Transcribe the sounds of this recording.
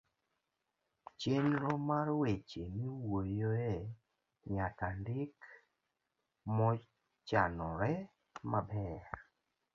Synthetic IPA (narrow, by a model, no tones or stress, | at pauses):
t͡ʃenɾɔmarwet͡ʃemiwojoɛ | ɲakandɪk | mɔ | t͡ʃanɔɾɛ | mabɛr